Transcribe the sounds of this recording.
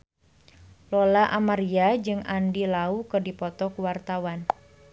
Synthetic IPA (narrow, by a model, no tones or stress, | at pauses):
lɔlaʔamaɾiad͡ʒɨŋʔandilaukɨrdipɔt̪ɔkuwart̪awan